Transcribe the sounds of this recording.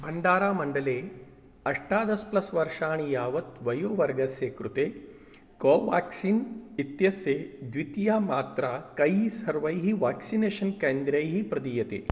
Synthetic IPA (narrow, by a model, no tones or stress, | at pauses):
bʱɐɳɖaːɾaːmɐɳɖɐleː | ɐʂʈaːd̪ɐsplɐsʋɐɾʂaːɳ̃ijaːʋɐt̪ʋɐjoːʋɐɾɡɐsjeːkɾut̪eː | koːʋa̰ːksiːnit̪jɐsjeːd̪ʋit̪jaːmaːt̪ɾakɐjsɐɾʋɐjɦiʋaːksineːʃɐnkeːnd̪ɾɐjɦipɾɐd̪iːjɐt̪ḛː